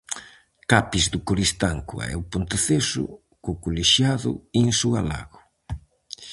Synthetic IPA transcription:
kapizd̪ʊkoɾist̪aŋkṵa̰ɛ̰wpont̪ɪθesʊ̰ | kʊkuleʃjaðʊ̰eŋsuala̰ɣʊ

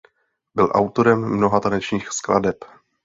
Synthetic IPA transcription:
bɪlʔa̰wt̪o̞ɾɛmːno̞ɦat̪anɛt͡ʃɲiːxskla̰dɛp

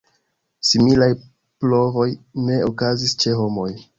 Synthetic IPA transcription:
similaj | plo̞vo̞jne̞okazist͡ʃe̞ɦo̞mo̞j

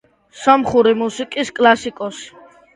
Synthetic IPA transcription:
samχuɾimusikʼiskʼlasikʼɔsi̥

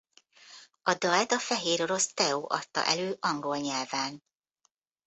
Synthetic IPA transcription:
ɒd̪ɒɛt̪ɒfɛɦeːɾo̞ɾo̞st̪ɛoːʔɒt̪ːɒ̰ʔɛløːʔɒŋɡo̞lɲɛlvaːn

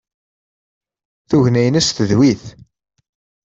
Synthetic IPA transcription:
θuʝnæjənæsθəðwiθ

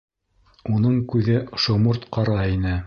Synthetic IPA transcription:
unɤɴkʉðɘʃŏmuɾt̪qɑɾɑinɘ

